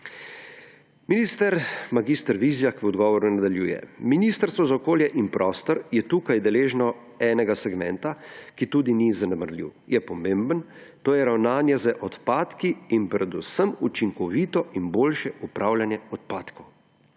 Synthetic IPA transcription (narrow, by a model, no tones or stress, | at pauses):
minist̪əɾmaɡist̪əɾʋizijakʋɔd̪ɡɔːʋɔɾunad̪aljuːjɛ̰miniːst̪əɾst̪ʋɔzaɔkoːljɛʔinpɾɔːst̪ɔɾjɛt̪uːkajd̪ɛleːʒnɔ | ɛːnɛɡasɛɡmɛnt̪akit̪uːd̪inizanɛməɾlḭwjɛpɔmẽmbən | t̪oːjɛɾawnaːnjɛzəʔɔt̪paːt̪kiːnpɾɛd̪usəmut͡ʃiŋkɔʋit̪ɔʔinboːlʃɛupɾʔawljanjɛɔt̪paːt̪kʰɔw